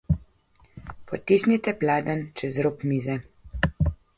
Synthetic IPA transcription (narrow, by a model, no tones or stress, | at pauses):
pʰɔt̪isnit̪ɛplaːd̪ənt͡ʃɛzɾoːpmiːzɛ